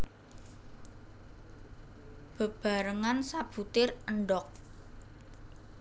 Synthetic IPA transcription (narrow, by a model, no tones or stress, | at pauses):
b̥ə̤b̥a̤ɾəŋansab̥ṳt̪ɪrəɳɖɔk̚